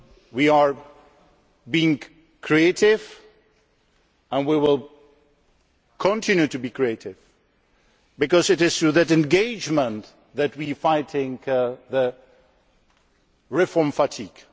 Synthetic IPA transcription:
wiə˞ | biɪ̃ŋ | kʰɹ̥ieɪtɪv | ə̃nwiwɪlˠ | kʰə̃ntʰɪ̃njʉtɨbikʰɹ̥ieɪɾɪv̥ | bɨkʌzɨɾɪz̥θɹuðɨɾɛ̃nɡeɪd͡ʒmə̃n | ðɨt̚wifaɪtʰɪ̃ŋðə | ɹɪfɔɹmfətʰiɡ̥

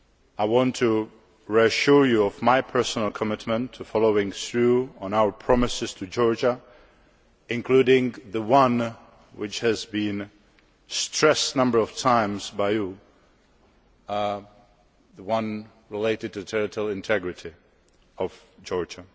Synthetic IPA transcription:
aɪwɑ̃ntʰɨ | ɹiɨʃʊɹjuʌvmaɪpʰɜ˞sn̩l̩ˠkʰəmɪtmə̃ntʰɨfɑlˠoʊɪ̃ŋsɹuə̃naʊə˞pʰɹ̥ɑmɨsɨz̥tʰɨd͡ʒɔɹd͡ʒə | ɪ̃nkʰl̥uɾɪ̃ŋðəwʌ̃n | wɪt͡ʃhɨzbĩn | stɹ̥ɛsnʌ̃mbə˞ʌv̥tʰãɪ̃mzbaɪju | ðəwʌ̃n | ɹɪleɪɾɨd̚tʰɨtʰɛɹɨɾl̩ˠɪ̃ntʰɛɡɹɨɾi | ʌv̥d͡ʒɔɹd͡ʒə

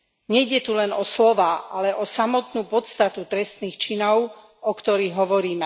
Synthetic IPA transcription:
ɲɛjɟɛt̪ulɛnɔslɔʋaːʔalɛʔɔsamɔt̪nuːpɔt̪st̪at̪ut̪ɾɛst̪niːxt͡ʃinɔʊ | ɔkt̪ɔɾiːɣɦɔʋɔɾiːmɛ

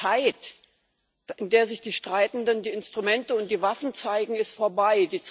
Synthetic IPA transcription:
aɪt | ʔɪndeːɐzɪçd̥iːʃtʁ̥aɪtn̩dəndiːɪnstʁ̥umɛntəʊnt̚d̥iːvafn̩t͡saɪɡŋ̩ɪstfoːɐbaɪdiːt͡s

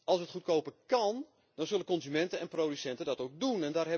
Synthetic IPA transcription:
ɑlˠsətχut̚kowpəkɑn | dɔnzølənkɔnzymɛntəɛnprowdysɛntədɔtok̚dunɛndaːrɦɛ

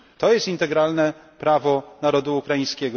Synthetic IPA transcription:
t̪ɔjɛst̪int̪ɛɡɾalnɛ | pɾavɔnaɾɔd̪uːkɾajĩskʲɛɡɔ

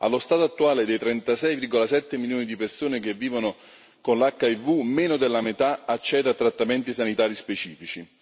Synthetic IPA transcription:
a̰lːost̪aːt̪oat̪ːuaːled̪ejt̪ɾɛnt̪asɛjvirɡolasɛt̪ːemiljoːnid̪ipersoːnek̟evːiːvonʊ | konlakːaivumeːnʊd̪elːamet̪aat͡ʃːɛːd̪at̪ːɾat̪ːamɛnt̪isanit̪aːɾispet͡ʃiːfit͡ʃi

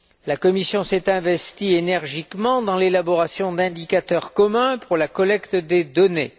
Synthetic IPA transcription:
lakɔmisjɔ̃sɛt̪ɛ̃vɛst̪ienɛʁʒikmɑ̃d̪ɑ̃lelabɔʁasjɔ̃d̪ɛ̃d̪ikat̪œʁkɔmɛ̃puʁlakɔlɛkt̪d̪ed̪ɔnḛ

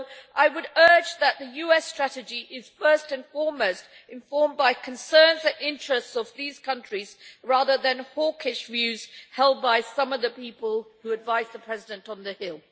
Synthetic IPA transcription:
ʔaɪwəɾɜ˞d͡ʒðət̪̚ðɨjʉɛstɹ̥æɾɨd͡ʒiʔɪz̥fɜ˞stɨ̃nfɔɹmoʊst | ɨ̃ɱfɔɹmbaɪkʰɨ̃nsɜ̃˞nzɨ̃nɪ̃nt͡ʃɹ̥ɨstsʌvðiz̥kʰʌ̃nt͡ʃɹ̥izɹæðə˞ðɨ̃nhɔɹkɪʃvjʉz̥hɛlˠd̚baɪsʌ̃mʌvðɨpipəlˠhuɨdvaɪzðəpʰɹ̥ɛzɪdɨ̃ntn̩ðɨhɪlˠ

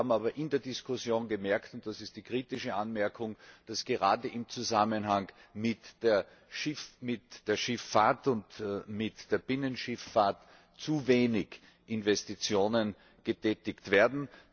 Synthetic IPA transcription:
aːbm̩aːbɐʔɪndeːɐdɪskʰʊsjoːnɡəmɛɐktʊnt̚d̥asɪst̚d̥iːkʁ̥iːtɪʃəʔanmɛɐkʰʊŋd̥asɡ̥əʁaːdəʔɪmt͡suzamənɦaŋmɪtd̥eːɐ | ʃɪfmɪtd̥eːɐʃɪfːaɐtʊntmɪtd̥eːɐb̥ɪnənʃɪfːaɐt | t͡suveːnɪç | ʔɪnvɛstit͡sjoːnən | ɡ̥ətʰɛːtɪktv̥eːɐdn̩

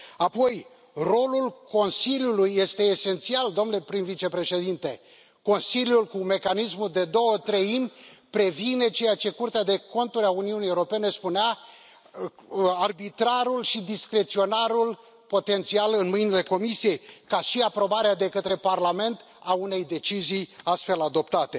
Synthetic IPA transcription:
apo̞j | ro̞lulko̞nsiljulujːe̞st̪e̞ːse̞nt̪siald̪omnlepɾinvit͡ʃe̞pɾe̞ʃe̞d̪int̪e̞ | ko̞nsiljulkume̞kanismuld̪e̞d̪o̞wət̪ɾeimʲpɾe̞vine̞t͡ʃe̞jat͡ʃe̞kurt̪ead̪e̞ko̞nt̪uɾʲauniunijewuɾope̞ne̞spunea | arbit̪ɾaɾulʃid̪iskɾe̞t̪sio̞naɾul | po̞t̪e̞nt̪sialɨnmɨjnile̞ko̞misije̞jkaʃiapɾo̞baɾead̪e̞kət̪ɾe̞parlame̞nt̪ | aune̞jd̪e̞t͡ʃizijast̪fe̞lad̪o̞pt̪at̪e̞

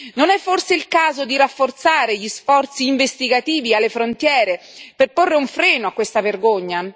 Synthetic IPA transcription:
nonɛfːorseilkaːzod̪iɾafːort̪saːɾeʎisfɔrt̪siːɱvest̪iɡat̪iːvialːefɾont̪jɛːɾe | perporːeuɱfɾɛːnoakːwest̪averɡoɲːa

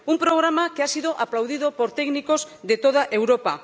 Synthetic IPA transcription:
umpɾoɣ̞ɾamakeasið̞oʔaplawðiðopoɾt̪ɛknikoz | ðet̪oð̞aʔewɾopa

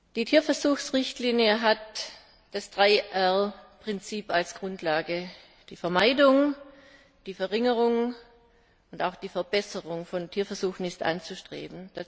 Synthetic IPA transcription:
d̥iːtʰiːɐfɛɐzuːxsʁɪçtliːnjəɦat | d̥asd̥ʁaɪʔɛʁpʁ̥ɪnt͡siːpalsɡ̥ʁʊntʰlaːɡə | d̥iːfɛɐmaɪdʊŋ | d̥iːfɛʁɪŋəʁʊŋ | ʊntaʊxd̥iːfɛɐbɛsəʁʊŋfɔntʰiːɐfɛɐzuːxn̩ɪstʔa̰nt͡suʃtʁ̥ḛːbm̩d̥a

